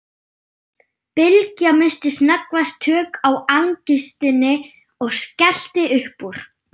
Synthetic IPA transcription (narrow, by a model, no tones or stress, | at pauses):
pɪlcamɪnst̪ɪsnakvast̪ʰːœːkawaŋcist̪ɪnɪ | ɔɣscɛl̥t̪ɪʔʏhpuɾ̥